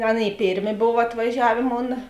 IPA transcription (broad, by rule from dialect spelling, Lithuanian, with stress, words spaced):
ˈɑːˌnʲeːɪ ˈpʲeːrʲˌmʲeː ˈboːw ɐtʋɐˈʒʲæːʋʲeː ˈmoːnɐ